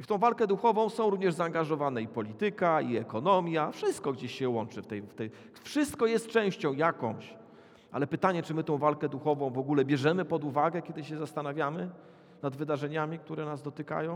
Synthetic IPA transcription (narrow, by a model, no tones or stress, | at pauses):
ift̪ɔ̃w̃valkɛd̪uxɔvɔ̃w̃sɔ̃w̃ɾuvɲɛʐzaːŋɡaʐɔvanɛipɔlʲit̪ɘkaiɛkɔnɔmʲjafʂɘst̪̚kɔɡd͡ʑeɕɕɛwɔnt͡ʂɘft̪ɛjft̪ɛ | fʂɘst̪kɔjɛst̪̚t͡ʂɛ̃w̃ɕt͡ɕɔ̃w̃jakɔ̰̃w̃ɕ | ʔa̰lɛpɘt̪aɲɛt͡ʂɘmɘt̪ɔ̃w̃valkɛd̪uxɔvɔ̃w̃vɔɡulɛbʲjɛʐɛmɘpɔd̪uvaɡɛkʲɛd̪ɘɕɛzast̪anavʲjamɘ | nad̪vɘd̪aʐɛɲamʲik̚t̪uɾɛnazd̪ɔt̪ɘka̰jɔ̃w̃